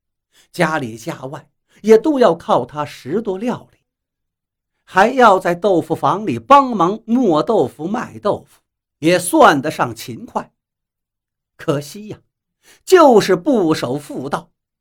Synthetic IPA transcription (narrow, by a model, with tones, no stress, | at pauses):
t͡ɕja˥li˨˩t͡ɕja˥˧wa˥˩ɪ | jɛ˨˩t̪o˥ʊjɑ˥˧ʊkʰɑ˥˩ʊt̪ʰa˥ʂɻ̩˧˥t̪wɔ˥ljɑ˥˩ʊli˨˩˦ | xa˧˥ɪjɑ˥˧ʊt͡sa˥˧ɪt̪o˥˩ʊfu˧fɑ˧˥ŋli˨˩pɑ˥ŋmɑ˧˥ŋmwɔ˥˧t̪o˥˩ʊfu˧˥ma˥˧˩ɪt̪o˥˩ʊfu̥˨˩ | jɛ˨˩swa˥˩nd̪ə˩ʂɑ˥˩ŋt͡ɕʰi˧˥nkʰwa˥˩ɪ | kʰɤ˨˩ɕi˥jɐ˨˩ | t͡ɕjo˥˧ʊʂɻ̩˥˧pu˥˩ʂo˨˩ʊfu˥˧t̪ɑ˥˩ʊ